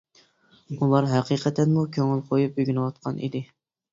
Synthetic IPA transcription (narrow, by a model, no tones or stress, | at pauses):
ulˠɑɾɦɛqiqʰɛt̪ʰɛnmukʲʰøŋɪlˠqʰojup̚yɡʲynɨwɑt̪̚qʰɑnʔḭd̪ɪ